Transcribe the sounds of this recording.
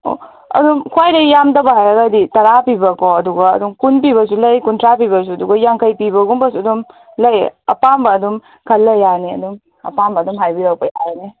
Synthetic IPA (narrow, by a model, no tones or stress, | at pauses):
o̰ | ɐ̰dumkʰwajɾɐjamdɐbɐɦajɐɡɐditɐɾapibɐkoɐduɡɐ̰ːdumkunp̬iβɐs̬ulɐjkuntɾapiβɐs̬uɐduɡɐjaŋkʰɐjpibɐɡumbɐsuɐdum | lɐjɐ̰pambɐːdum | kʰɐlːɐjːaniɐ̰dum | ɐ̰pambɐːdumɦajbiɾawpɐja̰ɾni